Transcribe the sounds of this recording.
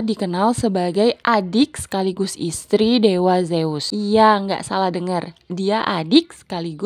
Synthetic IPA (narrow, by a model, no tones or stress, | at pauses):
dikənalsəbaɡajʔadɪkskaliɡʊsḭst̪ɾidewazeusijaŋɡa̰ʔsalahdəŋərdiaʔadɪk̚skaliɡʊ